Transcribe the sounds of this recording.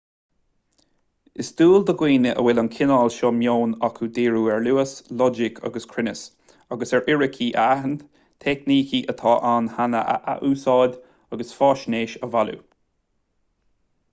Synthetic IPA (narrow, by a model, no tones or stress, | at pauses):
ɪsd̪uːld̪əɡwiːnəʔə̰wɪlənkʰɪnaːlʃɔmjoːnɔkʰud̪eːɹuːɛɹluːəslɔd͡ʒɪkʰa̰ɡəskʰɹɪnəs | aɡəsɛɹʔɪɹɪkʰiʔəaɦən | t̪ʰɛkniːkiʔət̪ʰɑːʔaːnhanə̰ʔə̰ʔa̰ʔuːsɑːd̪ | aɡəsfɑːʃneːʃəvalṵ